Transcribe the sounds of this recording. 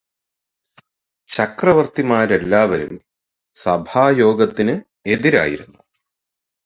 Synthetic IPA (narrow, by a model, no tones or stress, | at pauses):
t͡ɕɐkrɐʋɐrt̪imaːɾelːaːʋɐɾṵm | sɐbʱaːjo̞ːɡɐt̪ːinɨ | e̞ðiɾa̰ːjḭɾunːu